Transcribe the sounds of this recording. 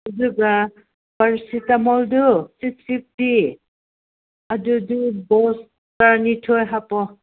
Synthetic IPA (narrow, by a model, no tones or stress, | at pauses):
uzuɡa | baɹsitamɔldusip̚sip̚ti | adudubɔs | taɾnitʰɔjɦapɔ